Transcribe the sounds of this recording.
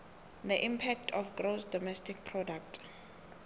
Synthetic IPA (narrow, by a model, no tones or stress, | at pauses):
d̪əʔĩmpʰɛk̚tʰɔfɡrosdɔmɛstʰik̚pʰrɔdak̚tʰ